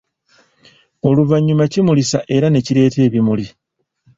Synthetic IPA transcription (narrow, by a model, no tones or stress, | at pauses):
o̞luvaɲːumacimulisaʔe̞ɾane̞ciɾe̞ːte̞ːβimuli